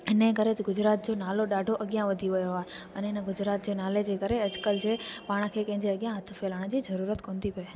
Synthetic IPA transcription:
ɪnekɐɾet̪ɪɡʊd͡ʑɾaːt̪̚d͡ʑoːnaːloɗaːɖʱoʔɐɠijãʋɐd̪ʱiʋɐjoaːɦeɐ̃nɪnə̆ɡʊd͡ʑɾaːt̪̚d͡ʑeːnaːled͡ʑeːkɐɾeɐd͡ʑkəld͡ʑeːpaːɽ̃̆kʰeːkɐ̃ɦɪ̃ɲd͡ʑeɐɠijãɦɐt̪ʰə̆felaːɽ̃d͡ʑiːzɐɾuːɾət̪koːnd̪ipɐe

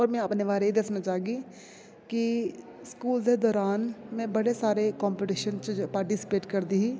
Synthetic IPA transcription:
ɔːɾmɛ̃ɐpneʋaːɾeid̪eːkʰnat͡ʃaːɦɡi | ki | skuːlzed̪ɔːɾaːnmẽbɐɽesaːɾekɔ̃ːmpɪʈiːʃənt͡ʃpaːɾʈisi̥peːʈkɐɾd̪iɦi

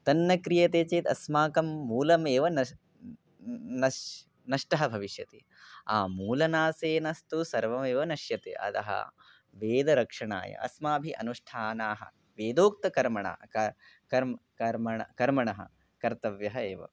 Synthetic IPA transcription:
t̪ɐnːɐkɾijɐt̪eːt͡ʃeːt̪ɐsmaːkɐmːuːlɐmeːʋɐnɐ | nɐ | nɐʂʈɐɦɐbʱɐʋiʃjɐt̪i | a̰ːmuːlɐnaːseːnɐst̪usɐɾʋɐmeːʋɐnɐʃjɐt̪ḛːʔɐ̰t̪ɐ̰ɦɐ̰ | ʋeːd̪ɐɾɐkʂɐɳa̰ːjɐ̰ɐ̰smaːbʱiʔɐ̰nuʂʈʰaːnaːɦɐ̰ | ʋeːd̪oːk̚t̪ɐkɐɾmɐɳa̰ːɐɐ | kɐɾmkɐɾmɐɳɐkɐɾmɐɳɐɦɐ̰ | kɐɾt̪ɐʋjɐɦɐeːʋɐ̰

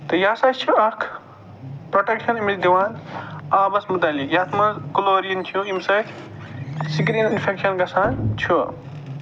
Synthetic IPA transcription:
t̪ɐjaːsat͡ʃt͡ʃʰuɐkʰ | pɾoʈekʃɐnumit̪̚d̪iʋaːnaːbɐsmut̪aːlikjɐt̪ʰmɐzkuloːɾijɐnt͡ʃʰuimsɐt̪ʰ | siɡɾininpʰekʃɐnɡɐsaːnt͡ʃʰu

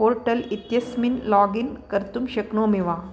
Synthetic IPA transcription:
oɾʈəlit̪jɐsminlɔɡinkɐɾt̪umɕɐknoːmiʋa

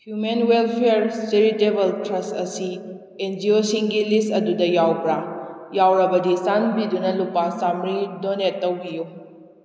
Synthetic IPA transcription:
hjumenwelpʰejɾseɾitebɐltɾɐstɐsi | end͡ʒiosiŋɡilistɐdudɐjawpɾajawɾɐbɐdisanbidunɐlupːasamɾidonetːɐwbiju

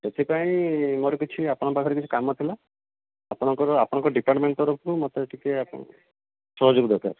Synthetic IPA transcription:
set̪ʰipaĩmoɾekit͡ʃʰiapɔɽ̃ɔpakʰɔɾek̬it͡ʃʰi̥kamɔt̪ʰila | apɔɽ̃ɔŋkɔɾɔapɔɽ̃ɔ̃ŋkɔɖipaɾʈmeɳʈt̪ɔɾɔpʰɔkumɔt̪eʈʰikeap | sɔɦɔd͡ʒuɡd̪ɔkʰa̰ɾ

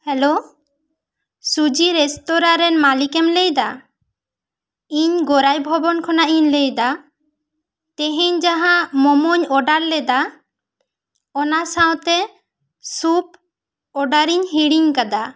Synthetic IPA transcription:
hɛlo | sud͡ʒiɾɛst̪ɔɾaɾɛnmalikɛmlejd̪a | iɲɡɔɾajbʱɔbɔnkʰɔnaʔiɲlejd̪a | t̪ɛɦeɲd͡ʒaɦãmɔmɔɲɔɖaɾlɛd̪a | ɔnasawt̪ɛ | sup | ɔɖaɾiɲɦiɽiŋkad̪a

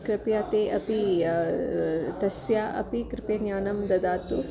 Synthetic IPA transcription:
kɾɐpjaːt̪eːʔɐpi | t̪ɐsjaːʔɐ̰pikɾɪpeɲaːnɐmd̪ɐd̪aːt̪u

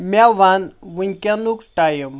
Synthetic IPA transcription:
maʋanʋunkʲanukʈajəm

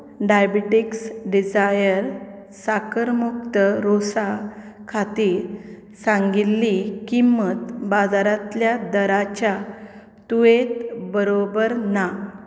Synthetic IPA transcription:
ɖajbiʈiksɖid͡zajəɾ | sakəɾmuk̚t̪əɾosa | kʰat̪iːɾ | sãŋɡilːikimːət̪bad͡zaɾat̪ljad̪əɾat͡ɕja | t̪uʋet̪bəɾobəɾna

